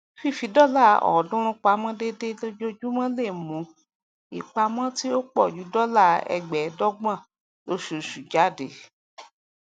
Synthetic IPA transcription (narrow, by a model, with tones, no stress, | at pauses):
fi˦˨fi˨˦dɔ˦la˦˨ɔ̰˨dũ˦ɾ̃ũ˧˦k͡pa˨˦mã˦de˦de˦lo˦d͡ʒo˦d͡ʒu˦mã˦le˦˨mũ˨˦ | i˨k͡pa˧mã˦ti˦o˦k͡pɔ˦˨d͡ʒu˨˦dɔ˦la˦˨ɛ̰˧ɡ͡bɛ˨˦dɔ˦ɡ͡bã˦˨ | lo˦ʃu˨ʃu˨d͡ʒa˨˦de˨